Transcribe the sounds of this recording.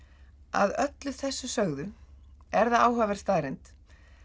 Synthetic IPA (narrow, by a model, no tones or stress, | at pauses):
a̰ðœt̪lʏθɛsːʏsœɣðʏɛɾðaaːwɦœːvɛɾ̥st̪aːðɾɪnt̪